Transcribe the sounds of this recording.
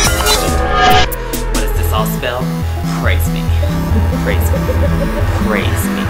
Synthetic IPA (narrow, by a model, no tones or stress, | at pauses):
wʌɾɨzðɪsɔlˠspɛlˠ | kʰɹ̥eɪzḭ̃ | kʰɹ̥eɪzĩkʰɹ̥eɪzḭ̃